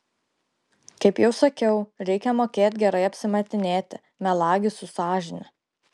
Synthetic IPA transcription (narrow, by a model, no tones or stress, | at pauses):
kɐɪpjɛʊsɐkʲɛʊɾʲɛɪkʲɛmoːkʲeːt̪ʲɡʲɛɾɐɪɐpʲsʲɪmɐt̪ʲɪnʲeːt̪ʲɪ | mʲɛlˠɑːɡʲɪsʊsɑːʒʲɪnʲɪ